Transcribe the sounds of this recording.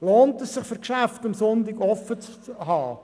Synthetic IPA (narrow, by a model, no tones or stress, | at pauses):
loːntɛsːɪχføɾkʃæftɑmsʊntɪɡɔfət͡shɑː